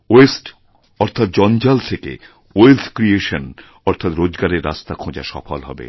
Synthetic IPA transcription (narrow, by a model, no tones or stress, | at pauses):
esʈ | ɔɾt̪ʰat̪̚d͡ʑɔnd͡ʑalt̪ʰekḛ | elt̪ʰkɾieʃon | ɔɾt̪ʰat̪ɾod͡ʑɡaɾeɾːa̰st̪akʰõd͡ʑa̰ʃɔ̰fʰolɦɔ̰bḛ